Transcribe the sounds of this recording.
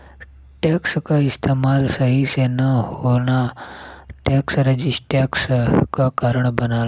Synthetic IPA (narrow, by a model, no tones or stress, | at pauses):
ʈekskaist̪ʰemaːlsəɦisenəhona | ʈeksɾəd͡ʒisʈʈekskakaːɾəɳbənaːla